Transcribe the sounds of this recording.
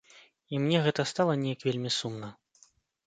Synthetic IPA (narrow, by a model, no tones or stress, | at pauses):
imnʲɛɣɛt̪ɐst̪alˠɐnʲɛjɐkvʲelʲmʲisumnɐ